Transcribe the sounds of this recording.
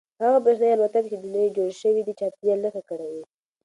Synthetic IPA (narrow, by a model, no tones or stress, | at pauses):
haɣabɾexnəjalwat̪ak̚t͡ʃed̪unjajed͡ʒoɽʃəwid̪it͡ʃɑːpjalaxakəɽawi